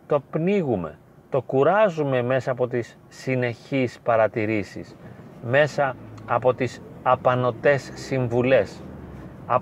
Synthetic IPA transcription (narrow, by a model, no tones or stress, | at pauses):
t̪o̞pniɣume̞̰ | t̪o̞kuɾɐzume̞me̞sɐːpo̞t̪isːine̞çispɐɾɐt̪iɾisḭsme̞sɐːpo̞t̪isɐpɐno̞t̪e̞sːiɱvule̞s | ɐ